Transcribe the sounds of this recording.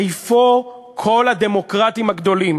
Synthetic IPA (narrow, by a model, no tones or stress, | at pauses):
jfo | kʰo̞lad̪e̞mo̞kʁat̪imhaɡd̪o̞lim